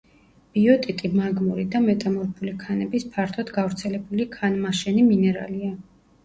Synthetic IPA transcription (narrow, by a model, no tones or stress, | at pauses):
b̥iɔt̪ʼit̪ʼimaɡmuɾid̪amɛt̪ʼamɔɾpʰulikʰanɛbispʰaɾt̪ʰɔd̪ɡavɾt̪sʰɛlɛbulikʰanmaʃɛniminɛɾa̰lia